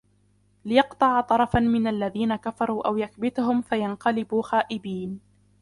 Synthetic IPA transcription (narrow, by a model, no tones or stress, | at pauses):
lɪjɑqt̪ˤɑʕɑt̪ˤɑɾˤɑfanmɪnalːaðiːnakafɑɾˤuːʔawjakbɪt̪ʊɦʊmfajanqɑlɪbuːxaːʔɪbiːn